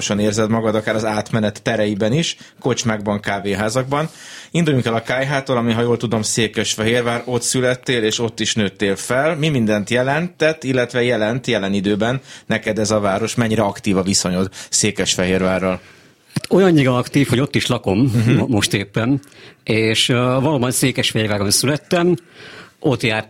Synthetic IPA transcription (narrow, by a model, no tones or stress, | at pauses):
ʃɒneːrzɛt̪mɒɡɒd̪ɒkaːɾɒzaːt̪mɛnɛt̪ːɛɾɛjibɛniʃ | ko̞t͡ʃmaːɡbɒŋkaːveːɦaːzɒɡ̚bɒnind̪ujuŋkɛlɒkaːjɦaːt̪olɒmiɦɒjoːlt̪ud̪o̞mseːkɛʃfɛɦeːrvaːɾo̞t̪sylɛt̪ːeːleːʃo̞t̪ːiʃnøːt̪ːeːlfɛlmimind̪ɛnt̪jɛlɛnt̪ɛt̪ːilːɛt̪ʋɛjɛlɛnt̪jɛlɛnid̪øːbɛnːɛkɛd̪ɛzɒvaːɾo̞ʃmɛɲːiɾɛɒkt̪iːvɒviso̞ɲo̞d̪seːkɛʃfɛɦeːrvaːrːɒl | hat̪ojɒɲːiɡɒɒkt̪iːfho̞ɟo̞t̪ːiʃlɒko̞mːo̞ʃt̪eːpːɛneːʃvɒloːbɒnseːkɛʃfɛeːrvaːɾonsylɛt̪ːɛm | o̞t̪jaːr